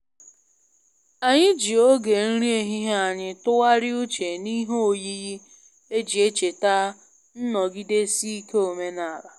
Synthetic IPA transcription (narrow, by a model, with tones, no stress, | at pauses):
a˨ɲɪ˦d͡ʒi˨o˦ɡe˨n̩˦ɾi˦e˦ɦi˦ɦa˨ɲɪ˦tʊ˦wa˦ɾɪ˦ʊ˦t͡ʃe˨ni˦ɦo˨ji˦ji˦ | e˦d͡ʒi˨e˦t͡ʃe˨ta˦ | n̩˦nɔ˨ɡi˦de˦si˦i˦ke˦o˨me˦na˨la˨